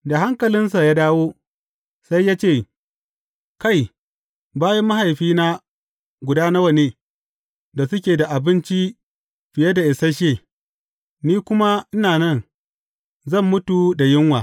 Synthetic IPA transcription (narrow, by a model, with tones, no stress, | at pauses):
da˨ɦa˦ŋkɐ˨lɪ˦nsa˨jaː˦daː˦woː˦ | sa˦jːaː˦t͡ʃeː˦˨ | ka˦˨j | baː˦jɐ˦mːa˦ha˨jɸiː˦na˦ | ɡʷʊ˨daː˦nɐ˦wɐ˦˨ne˨ | da˨sʊ˦kʲeː˨da˨ʔa˨bɪ˦nt͡ʃi˦ | ɸɪ˨jɐ˦da˨ʔɪ˨sa˦ʃeː˦˨ | niː˦kʷʊ˦ma˦ʔɪ˦naː˨nɐ˦˨n | zɐ˦˨mːʊ˦tu˨da˨jɪ˦ŋwaː˨